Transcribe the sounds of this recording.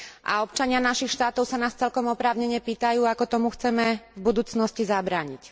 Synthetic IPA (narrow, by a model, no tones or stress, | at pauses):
ʔa̰ɔp̚t͡ʃaɲɪanaʃixʃt̪aːt̪ɔʊsanaːst͡sɛlkɔmɔpɾaːʊɲɛɲɛpiːt̪ajuːakɔt̪ɔmuxt͡sɛmɛvbud̪uːt͡snɔscizabɾaːɲic